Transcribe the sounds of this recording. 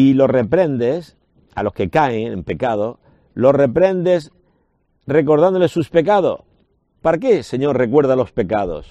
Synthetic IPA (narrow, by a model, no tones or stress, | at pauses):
ilo̞repɾẽ̞nd̪es | a̰lo̞ske̞kaeŋḛmpe̞kað̞o | lo̞sre̞pɾe̞nd̪e̞s | re̞ko̞ɾðand̪olesːuspe̞kaðo̰s | paɾakese̞ɲo̞ɾre̞kwe̞ɾðalo̞spe̞kaðo̰s